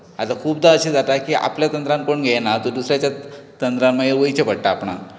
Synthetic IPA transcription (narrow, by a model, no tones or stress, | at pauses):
at̪akʰuːb̚d̪aəɕed͡zat̪akia̰pljat̪ənt̪ɾãnkoɳɡʱenat̪ɔɾd̪usɾjat͡ɕjat̪ənt̪ɾanmajeɾʋəjt͡ɕepəɽʈaːpɳ̃a̰